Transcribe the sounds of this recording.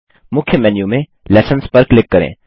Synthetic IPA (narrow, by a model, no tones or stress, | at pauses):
mʊkʰjəmɛːnjumẽ | lɛːsənspɐɾklɪkːɐɾḛ̃ː